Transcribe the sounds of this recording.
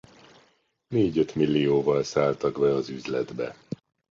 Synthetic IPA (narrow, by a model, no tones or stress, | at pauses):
neːɟø̞t̪milːioːvɒlsaːlt̪ɒɡbɛɒzyzlɛd̪bɛ